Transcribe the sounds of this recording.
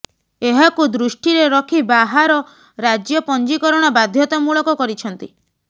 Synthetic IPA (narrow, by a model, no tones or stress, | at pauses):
eɦakud̪ɾuʃʈiɾeɾɔkʰibaɦaɾɔ | ɾad͡ʒjɔpɔnd͡ʒikɔɾɔɽ̃abad̪ʱjɔt̪ɔmuɭɔkɔkɔɾit͡ʃʰɔnt̪i